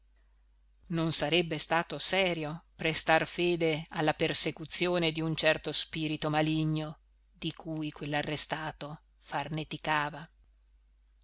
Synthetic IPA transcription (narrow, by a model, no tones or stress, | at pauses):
nonsaɾɛbːest̪aːt̪osɛːɾjopɾest̪arfeːd̪ealːapersekut̪sːjoːned̪iunt͡ʃɛrt̪ospiːɾit̪omaliɲːo | d̪ikʰujkwelːarːest̪aːt̪o | farnet̪ikaːva